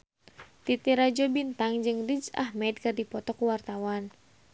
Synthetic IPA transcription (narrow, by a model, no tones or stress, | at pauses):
t̪it̪iɾad͡ʒobint̪aŋd͡ʒɨŋrid͡ʒa̰hmɛd̪̚kardipɔt̪ɔkuwart̪awan